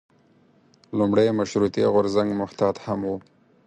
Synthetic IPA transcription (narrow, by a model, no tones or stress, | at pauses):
lʊmɽajmaʃɾut̪iɣʊɾzaŋɡmʊht̪ɑd̪hamwu